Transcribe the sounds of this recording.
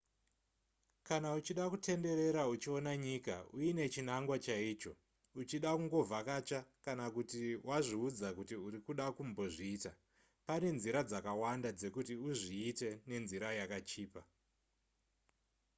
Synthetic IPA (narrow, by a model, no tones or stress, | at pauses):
kanaut͡ʃiɗakutʰe̞nde̞ɾe̞ɾaut͡ʃio̞naɲika̰uine̞t͡ʃinaŋɡwat͡ʃaiːt͡ʃo̞̰ | ut͡ʃiɗakuŋɡo̞vʱakat͡ʃakanakutiwaʐiud͡zakutiuɾikuɗakumbo̞ʐiːta | pane̞nziɾad͡zakawandad͡ze̞kutiuʐiːte̞ne̞nziɾajakat͡ʃiːpa